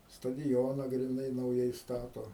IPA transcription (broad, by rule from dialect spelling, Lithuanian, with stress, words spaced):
stɐdʲɪˈjoːnɑː ɡrʲɪˈnɐɪ nɐʊˈjɛɪ ˈstɑːtoː